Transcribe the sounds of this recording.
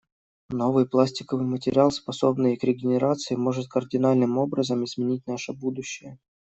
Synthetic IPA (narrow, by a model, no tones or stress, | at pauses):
no̞vɨjplˠasʲtʲɪ̥kəvɨjmətʲɪɾʲɪalˠspɐso̞bnɨjkɾʲɪɡʲɪnʲɪɾat̪sɨɪmo̞ʐɨt̪̚kərdʲɪnalʲnɨmo̞bɾəzəmɪzmʲɪnʲit̚ʲnaʂəbud̪ʊɕːɪjə